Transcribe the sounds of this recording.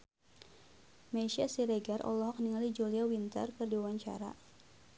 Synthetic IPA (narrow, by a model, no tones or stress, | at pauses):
meʃasiɾeɡarʔɔ̰lɔɦɔk̚niŋalid͡ʒuliawint̪ə̰rkɨrdiwawaɲt͡ʃa̰ɾa̰